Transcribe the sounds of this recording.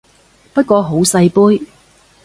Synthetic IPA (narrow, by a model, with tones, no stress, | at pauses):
pɐ˥t̚kʷɔː˧ɦo˨˥wsɐ˧jpuː˥j